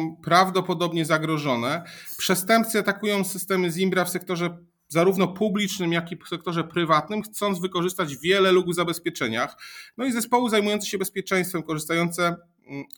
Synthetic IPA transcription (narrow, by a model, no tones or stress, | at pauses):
pɾavd̪ɔpɔd̪ɔbɲɛzaɡɾɔʐɔnɛpʂɛst̪ɛmpt̪sɨat̪akujɔ̃w̃sɘst̪ɛmɘzʲimbɾafsɛk̚t̪ɔʐɛ | zaɾuvnɔpublʲit͡ʂnɘmjakʲifsɛk̚t̪ɔʐɛpɾɘvat̪nɘmxt̪sɔnzvɘkɔʐɘst̪ad͡ʑvʲjɛlɛluɡvzabɛspʲjɛt͡ʂɛɲaxnɔizɛspɔwɘzajmujɔnt̪ɕɛbɛspʲjɛt͡ʂɛj̃st̪fɛmkɔʐɘst̪ajɔnt̪sɛ